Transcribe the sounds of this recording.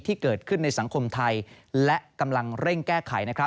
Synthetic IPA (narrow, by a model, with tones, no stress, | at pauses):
t̪ʰiː˥˩kɤː˨˩t̪̚kʰɯ˥˩nːa˧jsa˩˦ŋkʰo˧mt̪ʰa˧j | lɛ˦˥ʔka˧mla˧ŋɾe˥˩ŋkɛː˥˩kʰa˩˦jna˦˥kʰɾa˦˥